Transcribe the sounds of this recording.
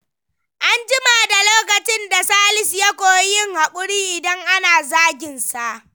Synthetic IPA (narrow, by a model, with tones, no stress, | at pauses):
ʔa˦nd͡ʒɪ˦ma˨da˨loː˦kɐ˨t͡ʃɪ˦nda˨saː˦lɪ˨sja˦kʷoː˨˦jɪ˦ŋha˨kʷʼʊ˦ɽiː˦ʔɪ˨dɐ˦ŋʔa˦naː˨zaː˦ɡʲɪ˨nsa˨ʔ